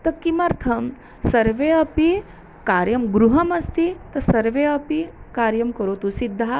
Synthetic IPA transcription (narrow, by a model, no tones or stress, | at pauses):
t̪ɐkːimɐɾt̪ʰɐm | sɐɾʋeːɐpi | kaːɾjɐmɡɾuɦɐmɐst̪ʰit̪ɐsɐɾʋeːɐpikaːɾjɐmkɐɾoːt̪usid̪ʱːa